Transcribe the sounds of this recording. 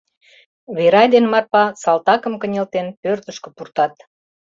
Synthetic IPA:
βeɾɑjd̪enmɑrpɑsɑlt̪ɑkə̆mkənʲelt̪enpørt̪əʃkə̆purt̪ɑt̪

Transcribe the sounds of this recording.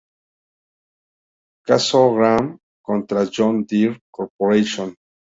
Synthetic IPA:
kasoɡɾam | kont̪ɾad͡ʒõnd̪iɾkoɾpoɾeʃõn

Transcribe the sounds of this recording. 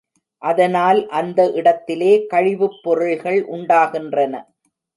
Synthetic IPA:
ʔɐðɐnaːlʔɐnd̪ɐʔɪɽɐt̪ːɪleːkɐɻɪʋɯpːɔɾɯɭɣɐɭʔʊɳɖaːɣɪndrɐnɐ̰

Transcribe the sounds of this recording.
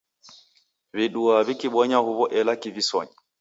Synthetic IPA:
viɗuaβikiɓɔɲahuβɔʔɛlakivisɔ̰ɲa

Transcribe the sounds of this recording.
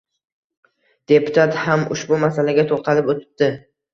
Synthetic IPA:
d̪̥e̞pʊ̥t̪ʰat̪hamʊ̰ʃbʊmasalaɡʲat̪ʰolˠq̪ʰɑlɪpot̪ʰɪ̥p̚d̪̥ɪ

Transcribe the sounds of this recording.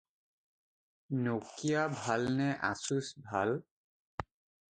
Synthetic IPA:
nokijabʱalnɛʔa̰susbʱa̰l

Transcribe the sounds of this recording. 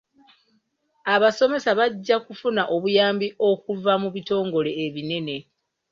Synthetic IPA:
aβaso̞me̞saβaɟːakufunaʔo̞βujaːmbiʔo̞kuvamuβito̞ːŋɡo̞le̞ːβine̞ne̞

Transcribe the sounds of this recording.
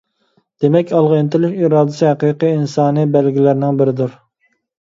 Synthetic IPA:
d̪̥emɛkʲʰɑlˠʁent̪ɪlʃiːɾɑːd̪ɪsɨhæqiːqiinsɑːnɨbælɡʲilæɾnɪŋbɪɾɪd̪uɾ

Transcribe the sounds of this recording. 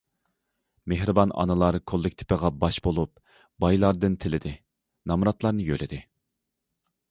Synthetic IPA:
meɦɾɨbɑnɑ̰nɨlˠɑɾkʰolˠːɪkʲt̪ʰɪ̥pɪʁɑbɑʃbolˠup | bɑjlˠɑɾd̪ɨnt̪ʰɪlɪd̪ɪ | nɑmɾɑt̪lˠɑɾnɨjø̰lɪd̪ɪ

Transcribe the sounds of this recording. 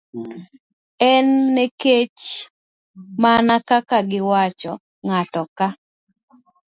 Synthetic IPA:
ɛnːeket͡ʃ | manakakaɡɪwat͡ʃɔ | ŋatɔka

